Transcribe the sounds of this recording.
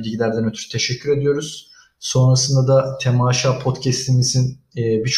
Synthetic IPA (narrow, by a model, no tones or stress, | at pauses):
ilʲɟilʲæɾd̪ænøt̪ʰyɾyt̪ʰe̞ʃɛcʰːyɾe̞d̪ijo̞ɾuz̥ | so̞nɾasɯnd̪ad̪at̪ʰemaːʃaːpʰot̪cʰɛst̪ʰimizinːbit͡ʃʰ